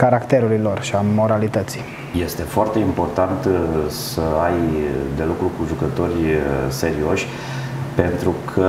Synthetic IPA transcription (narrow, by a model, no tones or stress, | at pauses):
kaɾakt̪eɾuɾilo̞rʃiamo̞ɾalit̪ət̪si̥ | je̞st̪e̞foart̪e̞impo̞rt̪ant̪səajd̪e̞lukɾukuʒukət̪o̞rʲse̞ɾio̞ʃʲ | pe̞nt̪ɾukʰə